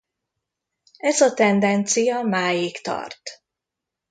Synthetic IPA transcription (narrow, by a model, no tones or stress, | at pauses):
ɛzɒt̪ɛnd̪ɛnt̪sijɒmaːjikt̪ɒ̰rt̪